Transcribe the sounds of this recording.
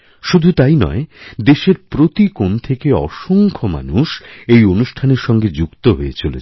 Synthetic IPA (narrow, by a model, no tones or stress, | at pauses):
ʃud̪ʱut̪ajnɔ̰ed̪eʃeɾpɾot̪ikont̪ʰekeɔ̰ʃoŋkʰoma̰nuʃejonuʃʈʰaneɾʃɔŋɡed͡ʑukt̪oɦoet͡ɕolet͡ɕʰ